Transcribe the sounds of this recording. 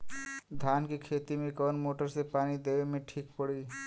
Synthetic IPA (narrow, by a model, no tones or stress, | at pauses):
d̪ʱjaːnkikʰeːt̪imẽkɔːnmoːʈəɾsepaːnid̪eʋemẽʈʰiːk̚pəɽi